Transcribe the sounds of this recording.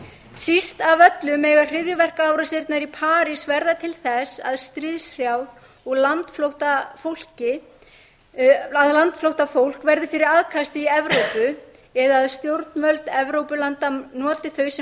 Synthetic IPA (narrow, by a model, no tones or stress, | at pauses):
sist̪avœt̪lʏmɛːɣar̥ɪðjʏvɛr̥kaaːwɾasɪɾt̪naɾipʰaːɾisvɛɾðat̪ʰɪlθɛsa̰ðst̪ɾɪðsr̥jaːwð | ɔɣlant̪flowht̪afowl̥cɪ | aðlant̪flowht̪afowl̥kvɛɾðɪfɪɾɪɾaðkʰast̪ɪiɛvɾowpʏ | ɛðaːðst̪jowɾt̪nmœlt̪nɛvɾowpʏlant̪anɔːt̪ɪθœɥsɛ